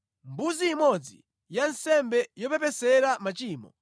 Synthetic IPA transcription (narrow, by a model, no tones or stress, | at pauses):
mbuziːmɔd͡zḭ | jansɛmbɛjɔpɛpɛsɛɾamat͡ʃiːmɔ